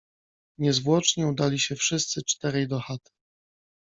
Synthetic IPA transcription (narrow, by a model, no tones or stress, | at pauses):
ɲɛzvwɔt͡ʂɲɛud̪alʲiɕɛfʂɘst̪sɘt͡ʂt̪ɛɾɛjd̪ɔxat̪ɘ̥